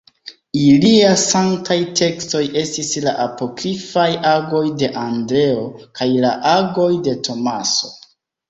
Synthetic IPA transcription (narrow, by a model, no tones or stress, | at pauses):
iliasaŋktajte̞ksto̞je̞stisla̰ʔapo̞kɾifajaɡo̞jde̞ʔandɾe̞o̞kajlaʔaɡo̞jde̞tʰo̞maso̞̥